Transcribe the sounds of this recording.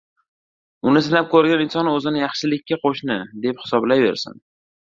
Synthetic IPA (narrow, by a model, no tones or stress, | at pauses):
ʊnɪsɪnap̚kʰɵɾɡʲanɪnsɒnɵzɪnɪjɑχʃɪlɪkʲːaqʰoʃnɪd̪ephɪ̥sɒblajve̞̰ɾsɪ̰n